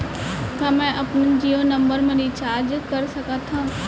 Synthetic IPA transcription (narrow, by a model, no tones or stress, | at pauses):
t̪amɛ̃ʔɐpnd͡ʒiːoːnɐ̃mbəɾmẽɾit͡ʃaːɾd͡ʒkɐɾsɐkat̪ʰã